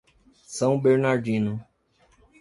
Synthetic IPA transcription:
sɐ̃w̃beɾnaɾd͡ʒĩnʊ

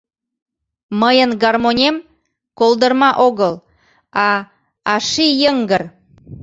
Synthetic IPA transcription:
məjənɡɑrmonʲem | kolˠd̪ərmɑʔoɣəlˠ | ɑ | ɑʃijəŋɡər

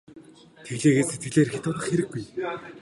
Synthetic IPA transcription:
t̪ʰeɣɮeːɣeːset̪̚ɡɘ̆ɮeːrxet̪ʊːt̪ə̆χxeɾɘ̆ɡ̚ɡuj

